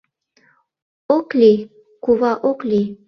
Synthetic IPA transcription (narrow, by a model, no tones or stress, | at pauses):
okli | kuβɑʔokli